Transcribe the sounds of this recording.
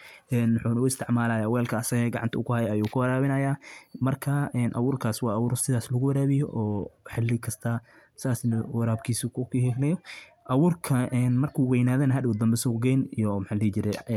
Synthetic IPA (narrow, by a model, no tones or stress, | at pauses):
ɛːnwħuːnʊɪst̪ʰɪʕmaːlaːjawɛːlkʰɐɐsɐɣɛɡɑʕɑnt̪ʰɐʊkʰʊhɐjɐɐjuːkʰʊwɐɾaːβɪnɐjaːmɐrkʰɐɛːnʔɐ̰wuːrkʰaːswɑːwuːɾsɪðaːslɐɣʊwɐɾaːβɪjɔ̰ʔɔːħɪlːɪkʰɐst̪ʰɐ | sɪðaːsɐwɐɾaːbkʰiːsʊkʰʊkʰhɛklɛjɔ | ʔɐwuːrkʰɐʔɛnmɐrkʰuːwɛjnaːðɐnɐɦɐd̪ɪʊd̪ɐmbɛsɔːɡɛjnijɔmħaːihɪt͡ʃɪɾɛ